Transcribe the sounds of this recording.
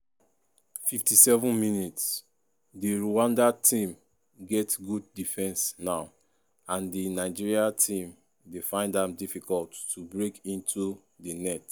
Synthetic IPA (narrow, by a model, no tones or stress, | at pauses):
fiftisɛvɔ̃nminits | deɹuwãndatʰĩm | ɡɛtɡud̚difɛ̃nsnaʊ | ãndinaɪd͡ʒiɹiatʰĩm | defãɪ̃ndãmdifikɔlttubɹekĩntʰu | dinɛt